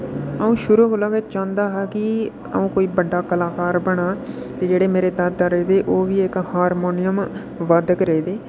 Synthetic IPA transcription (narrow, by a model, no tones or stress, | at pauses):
əũːʃʊɾuɦoːləɡeːt͡ʃãːnd̪aːɦɛːkɪ | ə̰ũːkoːiːbəɖːaːkəlaːkaːɾbəɽaː | t̪eːd͡ʒeːɽeːmeːɾeːd̪əd̪aɾeːd̪eːʔoːʋiːɪkhaːɾmoːnɪjəm | ʋəd̪əkɾəeːd̪eː